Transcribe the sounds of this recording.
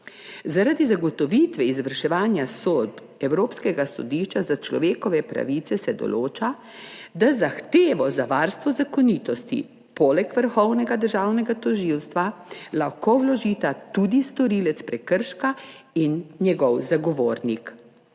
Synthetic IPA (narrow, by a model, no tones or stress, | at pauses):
zaɾad̪izaɡɔt̪ɔʋiːt̪ʋɛizʋəɾʃɛʋaːnjasoːd̪ | ɛwɾoːpskɛɡasɔ̰d̪iːʃt͡ʃazat͡ʃlɔ̰ʋeːkɔʋɛpɾa̰ʋit̪sɛsɛd̪ɔ̰lʔoːt͡ʃa | d̪azaxt̪eːʋɔzaʋaːɾst̪ʋɔzakɔniːt̪ɔst̪ḭ | pɔlɛkʋəɾxɔwnɛɡad̪əɾʒaːwnɛɡat̪ɔʒiːwst̪ʋalaxkowlɔʒiːt̪at̪ud̪ist̪ɔɾiːlɛt̪spɾɛkəɾʃkainːjɛɡɔwzaɡɔʋoːɾnik